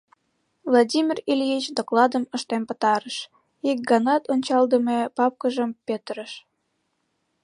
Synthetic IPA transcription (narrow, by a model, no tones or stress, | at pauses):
vlˠɑdʲimʲirilʲit͡ɕd̪oklɑd̪əməʃt̪empət̪ɑɾəʃ | ik̚ɡɑnɑt̪onʲt͡ɕɑld̪əmepɑp̚kəʒəmpet̪əɾəʃ